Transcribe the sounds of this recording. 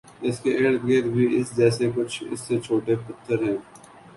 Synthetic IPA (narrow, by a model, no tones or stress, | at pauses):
ɪskeʔeːɽɡeːɾbʱiɪsd͡ʒɛːsekʊt͡ʃʰɪ̰sːet͡ʃʰoːʈepʊt̪ʰːəɾɦɛ̃ː